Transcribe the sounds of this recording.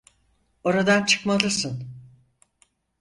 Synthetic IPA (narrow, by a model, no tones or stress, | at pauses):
o̞ɾad̪ant͡ʃʰɯ̥kmalˠɯsɯn